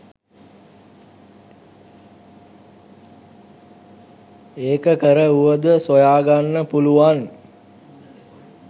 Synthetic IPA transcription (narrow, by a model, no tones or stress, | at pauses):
eːkəkəɾəuʋəd̪əsojaːɡanːəpuluʋan